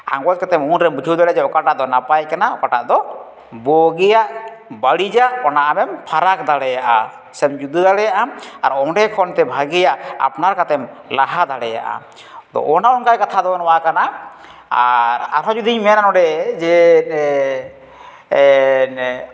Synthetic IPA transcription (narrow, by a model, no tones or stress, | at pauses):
ã̰ŋɡɔt̪̚kat̪ɛmunɾɛmbud͡ʒʰʱuwd̪aɽɛd͡ʒɛɔkaʈaʔd̪ɔnapajkanaɔkaʈaʔd̪ɔ | bɔɡɛjaʔbəɽid͡ʒaʔkɔnaʔamɛmpʰaɾak̚d̪aɽɛjaʔa̰ | sɛmd͡ʒud̪ud̪aɽɛjaʔama̰ɾɔɖɛkʰɔnt̪ɛbʱaɡɛjaʔa̰pnaɾkat̪ɛm | laɦad̪aɽɛja̰ʔa̰ | d̪ɔ̰ɔnaɔnkajkat̪ʰad̪ɔnɔwakana | aɾa̰ɾɦɔd͡ʒud̪iɲmɛnanɔɖɛd͡ʒɛ